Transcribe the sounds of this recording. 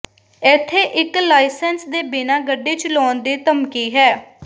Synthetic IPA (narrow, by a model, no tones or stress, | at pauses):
ɪt̪ʰːeːʔɪklaːɪsɛnsd̪eːbɪnãːɡəɖːeːt͡ʃlɔːnd̪eːt̪əmkiːɦɛː